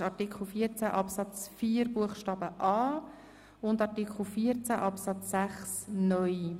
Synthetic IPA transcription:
ɑɾtikʰχl̩ˠfiːəɾt͡sæʔɑpsɑt͡sfiːɾbuəχʃtɑːbəʔɑː | ʊndɑɾtikχl̩ˠfiəɾt͡sæʔɑpsɑt͡sːæχsnœj

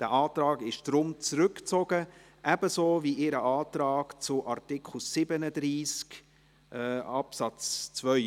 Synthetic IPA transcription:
d̥æʔɑːtrɑːɡɪʃd̥ɾʊmt͡sɾʏkt͡sɔɡə | ʔæb̥əsoːviʔɪɾəɑːtrɑːkt͡sʊʔɑɾtɪkχl̩sɪbənədɾiːskː | ɑpsɑt͡st͡svœʏ

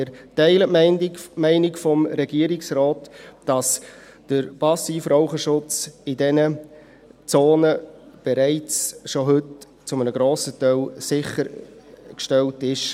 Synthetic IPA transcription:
ɾtɛɪlətmmɛɪnɪkfɔmɾɛɡiəɾɪksrɔːtd̥ɑs | d̥əɾpɑsiːfraʊχəʃʊt͡sɪdɛnə | t͡soːnəb̥ɛɾæɪt͡sʃoɦɵt | t͡sʊmənəɡɾoːsətœlsɪχəɾkʃtɛltɪʃ

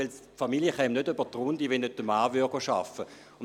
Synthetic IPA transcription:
ɛls | familjəχɛmnødøb̥ɐt̪ʁʊndiʋenːøtːəmaːvyɐɡ̥oʃa̰fə | ʊn

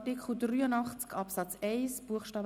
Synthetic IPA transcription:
tikχl̩dryːənɑχt͡skɑpsɑt͡sɛɪsb̥uəχʃtɑːb

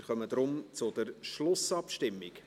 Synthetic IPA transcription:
χœməd̥̪ɾʊmt͡sʊd̥̪əɾʃlʊsɑpʃtɪmːɪk

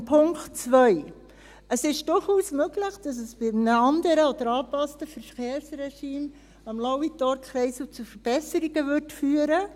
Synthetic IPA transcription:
pʰʊŋkχtt͡svœj | əsɪʃd̥ʊɾχuːsmøɡləχd̥ɑs̬əsb̥ɪmnəɑnd̪əɾəɔd̥̪əɾɑːpɑstəfəɾfχeːɾsɾɛʃiːm | ɑmlawitɔɾkχɾɛɪsut͡sufəɾb̥ɛsəɾiɡəʋʏrtfyːəɾə

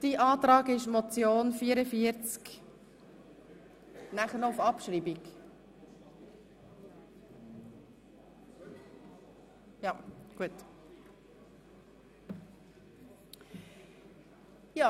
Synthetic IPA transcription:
d̥iʔɑːtɾɑːɡɪʃmɔt͡sjoːnfiːəɾəfiəɾt͡sk | næχəɾnɔʊfɑpʃɾiːbik | jɑɡ̥uət | jɑː

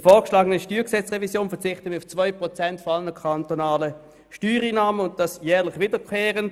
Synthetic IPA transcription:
foːkʃlaːɡənəʃtyːɐksɛt͡sʁɛvisjoːnfɛɐt͡sɪχtəmɪʊft͡svaʏpʁɔt͡sɛntfɔalənəkʰantonaːlə | ʃtyːʁiːnaːmənʊnt̚d̥ɑsjɛːʁlɪχviːdəkʰeːʁən

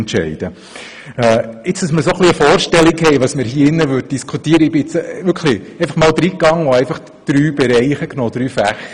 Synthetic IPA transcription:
ntʃɛ̰ɪd̥̪ə | ɛɪt͡sd̥ɑsməɾsoχliəfɔːrʃtɛlikhɛɪʋɑːsmɪɾhiːɪnːəʋøːd̚d̥iskʰutiːəɾəɪb̥ɪɪt͡sʋʏɾkʰχliɛɪfɑχmɑːld̪ɾiːkːɑŋɔæɪfɑχ | d̪̥ɾyːb̥ɛɾɛɪχəknoːd̪̥ɾyːfæχ

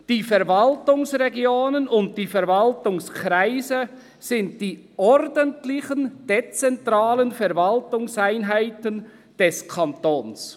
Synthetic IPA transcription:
d̥iːfɛɾvaltʊŋsʁɛɡjoːnənʊnt̚d̥iːfɛɾvɑltʊŋskʰʁaɪzə | sɪnt̚d̥iː | ɔɾdəntlɪçənd̥et͡sɛntʁaːlənfɛɾvaltʊŋsaɪnɦaɪtən | d̥ɛskʰɑntoːns

